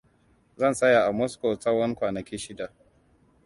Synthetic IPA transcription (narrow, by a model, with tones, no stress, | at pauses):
zɐ˦nsɐ˦ja˨ʔa˨mɔ˦sko˨sɐ˦wɐ˦ŋkʷaː˨nɐ˨kʲiː˦ʃɪ˦da˨ʔ